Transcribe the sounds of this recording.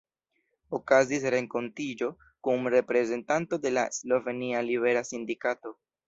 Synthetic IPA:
okazis̬ɾe̞ŋko̞ntid͡ʒo̞ | kumɾe̞pɾe̞ze̞ntanto̞de̞laslo̞ve̞nialiβe̞ɾasindikato̞

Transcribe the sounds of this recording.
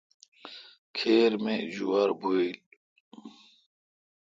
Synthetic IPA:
kʰeːɾmẽzuwaɾbʱoːil

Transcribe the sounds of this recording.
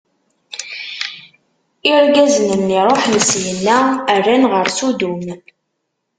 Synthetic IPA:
ɪɾɡæzənənːiɾˤoħnəsjənːæærːænʁəɾsud̪um

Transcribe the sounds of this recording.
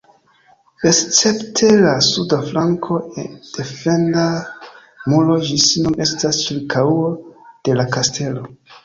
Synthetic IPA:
est͡se̞ptʰe̞lasudaflaŋkʰo̞ed̥e̞fe̞nda | mulo̞d͡ʒisinumʔe̞stast͡ʃiɾkʰawod̥e̞lakastʰe̞lo̞

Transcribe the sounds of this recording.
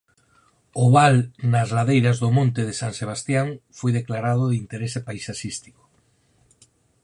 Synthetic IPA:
ʊβalnazlaðejɾazðʊmõnt̪ɪðɪsaŋseβ̞ast̪jaŋfojðeklaɾað̞ʊðɪint̪eɾesepaisasist̪i̥ko̥

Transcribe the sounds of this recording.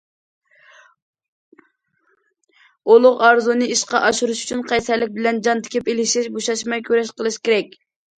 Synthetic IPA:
olˠʊqɑɾzunɨiʃqɑʔɑʃuɾuʃy̥t͡ʃʰynqʰɑjsæɾlːɪk̚ʲbɪlɛnd͡ʒɑnt̪ʰɪ̥kʲʰipelɪʃɛʃboʃɑʃmɛjkʲʰøɾɛʃqəlˠɨʃkʲeɾɛk̚ʲ

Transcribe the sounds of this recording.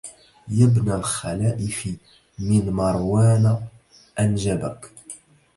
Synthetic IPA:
jabnalxalaːʔɪfi | mɪnmɑɾˤwaːna | ʔanʒabak

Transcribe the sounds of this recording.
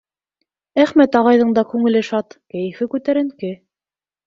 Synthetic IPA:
æχmæt̪ɑʁɑjðɤɴd̪ɑkʉŋɘ̆lɘʃɑt̪kæjɘ̆fɘkʉt̪æɾɘ̆ŋkɘ

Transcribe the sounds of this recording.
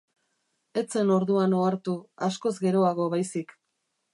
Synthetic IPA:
e̞t͡se̞no̞ɾðuano̞aɾt̪uasko̞zɡe̞ɾo̞aɣ̞o̞βajsik

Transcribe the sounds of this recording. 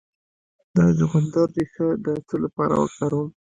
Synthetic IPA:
d̪ɑʒʊɣʊnd̪aɾdexəd̪ət͡səlapɑɾa̰wə̰kaɾum

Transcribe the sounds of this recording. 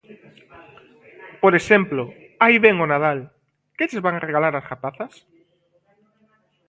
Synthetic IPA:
poɾesemploajβeŋonað̞al | ket͡ʃezβaŋareɣalaɾasɣapaθas

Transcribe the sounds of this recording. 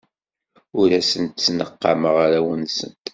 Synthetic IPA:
ʊɾæsənt̪t͡sːnəqːɑməʁaɾæwənsə̰nt̪

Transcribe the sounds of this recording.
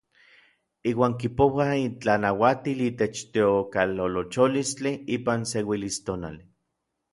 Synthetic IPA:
iːwaːŋkipowaint͡ɬanawat̪iliːt̪et͡ʃt̪eokalolot͡ʃolist͡ɬiiːpansewilist̪ona̰l

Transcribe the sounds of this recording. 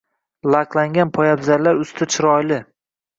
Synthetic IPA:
lˠaqlˠaŋɡʲanpʰɒjabzaɾlaɾʊst̪ʰɪt͡ʃʰɪɾɒjlɪ

